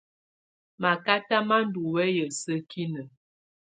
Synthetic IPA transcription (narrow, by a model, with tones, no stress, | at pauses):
ma˨ka˦ta˦ma˦n̩˦du˨wɛ˦jə˨sə˦kʰi˦nə˨